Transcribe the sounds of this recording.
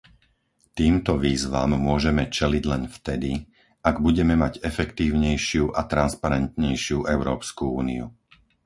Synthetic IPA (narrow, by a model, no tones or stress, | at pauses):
t̪iːmt̪ɔʋiːzʋa̰mːʊɔʒɛmɛt͡ʃɛliɟlɛnft̪ɛd̪i | aɡbuɟɛmɛmaɟɛfɛkt̪iːʊɲɛjʃɪuʔat̪ɾanspaɾɛnt̪ɲɛjʃɪuʔɛʊɾɔːpskuuːniṵ